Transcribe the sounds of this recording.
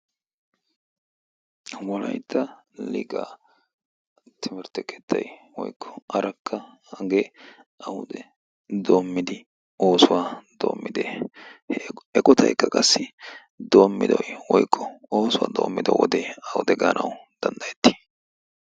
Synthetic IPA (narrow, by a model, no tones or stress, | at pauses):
wɔlɐ̰jt̪ʰːɐlɪ̰ɡaː | t̪ʰɪmɪɾt̪ɛkʰɛ̥t̪ːɐ̰jwɔjkʰːɔ̥ʔɐɾɐkʰːɐ | ɐɡeːʔɐhʊ̰d̪ɛ | d̪o̞ːmːɪd̪ɪ | o̞ːsʊwaːd̪o̞̰ːmːɪd̪eː | ɛkʼɔt̪ʰɐ̰jkːɐkʼɐsːɪ | d̪o̞ːmːɪ̰d̪ɔjwɔjkʰːɔo̞ːsʊwa̰ːd̪o̞ːmːɪd̪ɐwɔ̰d̪ɛɐhʊ̰d̪ɛɡaːnʔɐwʊd̪̥ɐnd̪ɐjɛt̪ːi̥